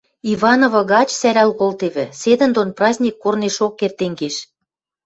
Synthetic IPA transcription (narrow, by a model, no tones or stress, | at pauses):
iβɑnovɤ̆ɣɑt͡ɕsæɾælkolt̪eβĕsed̪ə̆nd̪onprɑzʲnʲikːorneʃokːert̪eŋɡeʃ